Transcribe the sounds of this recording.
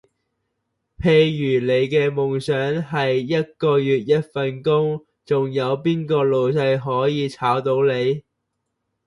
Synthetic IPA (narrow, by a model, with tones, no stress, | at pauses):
pʰe˧jjyː˨˩le˨˧jkɛː˧mʊ˨˩ŋsœː˨˥ŋɦɐ˨jːɐ˥t̚kɔː˧jyː˨t̚jɐ˥t̚fɐ˨nkʊ˥ŋ | t͡sʊ˨ŋjɐ˨˧wpiː˥nkɔː˧lo˨wsɐ˧jɦɔː˨˥jiː˨˧t͡sʰaː˨˥wt̪o˨˥wle˨˧j